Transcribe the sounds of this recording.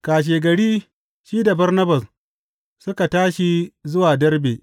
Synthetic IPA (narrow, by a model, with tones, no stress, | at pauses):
kaː˨ʃ̬eː˨ɡɐ˨ɽiː˦ | ʃiː˦da˨bɐ˦rnɐ˦bɐ˨s | sʊ˦ka˨taː˦ʃi˦zʊ˦waː˨dɐ˦rbeː˨